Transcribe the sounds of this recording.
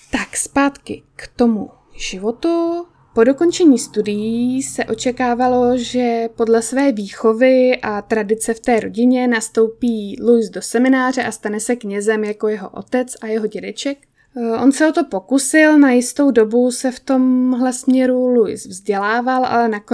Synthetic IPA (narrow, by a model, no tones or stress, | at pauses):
t̪akspaːt̪kɪkt̪o̞mṵ | ʒ̥ɪvo̞t̪u | po̞do̞ko̞nt͡ʃɛɲiːst̪udɪjiisɛʔo̞t͡ʃɛkaːvalo̞ʒɛpo̞dlɛsvɛːviːxo̞vɪʔat̪ɾadɪt͡sɛft̪ɛːɾo̞̰ɟɪɲɛnast̪o̞wpiːlujsdo̞sɛmɪnaːr̝ɛʔast̪anɛsɛkɲɛzɛmjako̞jɛɦo̞̰ʔo̞̰t̪ɛt͡sajɛɦo̞ɟɛdɛt͡ʃɛk | ʔo̞nsɛʔo̞t̪o̞po̞kusɪlnajɪst̪o̞wdo̞busɛft̪o̞mɦlɛsmɲɛɾulujsvzɟɛlaːvalʔa̰lɛnak